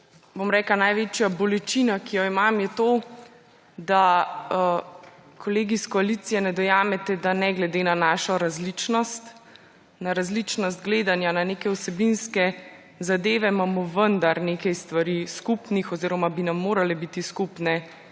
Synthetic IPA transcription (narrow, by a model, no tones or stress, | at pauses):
bomɾɛːklanajʋeːt͡ʃjabɔlɛt͡ʃinakijɔimamjɛt̪o | d̪a | kʰɔleːɡiskɔalit̪sijɛnɛd̪ɔjaːmɛt̪ɛd̪anɛɡlɛd̪eːnanaːʃɔɾazlit͡ʃnɔst̪ | naɾazlit͡ʃnɔst̪̚ɡleːd̪anjananeːkɛwsɛbinskɛ | zad̪eːʋɛmamɔʋənd̪aɾneːkajst̪ʋaɾiskupnixɔziːɾɔmabinamːoːɾalɛbit̪iskupnɛ